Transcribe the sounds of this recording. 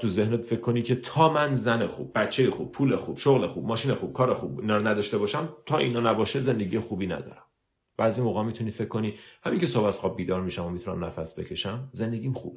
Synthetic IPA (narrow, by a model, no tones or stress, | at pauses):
t̪ʰuzehnet̪fe̞kʰkːo̞nicʰe̞t̪ʰɒːmænzænexṵb̚ːæt͡ʃʰːe̞jexub̚pʰuːlexub̥ʃoɣlexub̥mɒːʃiːnexuːb̥̚kʰɒːɾexubinɒːɾɔnæd̪ɒːʃt̪e̞bɒːʃæmt̪ʰɒːʔiːnɒːnæbɒːʃezend̪e̞ɟijexuːbiːnæ̰d̪ɒ̰ːɾæm | b̥æːd̪zimoːɣæːmit̪ʰuniːfekʰːo̞niːhæmiŋcʲʰesobæsxɒːb̚biːd̪ɒːɾmiʃæmomit̪ʰunæ̰mnæfæsbe̞̰cʰe̞ʃæmze̞nd̪eɡʲiːmxṵbe